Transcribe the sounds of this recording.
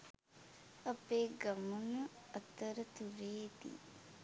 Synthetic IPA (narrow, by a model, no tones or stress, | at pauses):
ɐpeːɡɐmunəət̪əɾət̪uɾeːt̪ḭː